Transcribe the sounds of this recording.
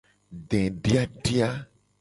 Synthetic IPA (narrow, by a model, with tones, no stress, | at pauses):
ɖɛ̃˨ɖi˦a˦ɖi˦a˦